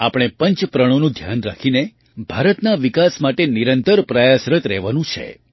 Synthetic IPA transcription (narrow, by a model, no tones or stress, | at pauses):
apɽ̃epəɲt͡ʃpɾəɽ̃onũd̪ʱjanɾa̰kʰine | bʱaɾət̪naʋikasmaʈeniɾənt̪əɾpɾajasɾət̪ɾɛɦʋanũt͡ʃʰḛ